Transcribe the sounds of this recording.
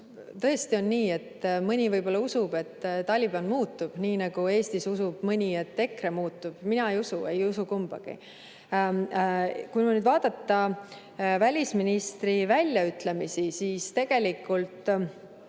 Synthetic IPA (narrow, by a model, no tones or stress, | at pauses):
t̪ɤ̞est̪io̞nːiːe̞t̪ːmɯnʲivɤjbo̞lːɑusub̥e̞t̪ːɑlʲːib̥ɑnmuːt̪ːub̥niːnɑɡ̥ue̞ːst̪isusub̥mɯnʲie̞t̪ːe̞kɾe̞muːt̪ːub̥minɑejusue̞jusukumb̥ɑ̰ɡ̥ḭ | kumunyd̪vɑːd̪̥ɑt̪ːɑ | vælʲisminist̪rivælʲjɑyt̪ˑle̞misisiːst̪e̞ɡ̥e̞likːˑult̪ˑ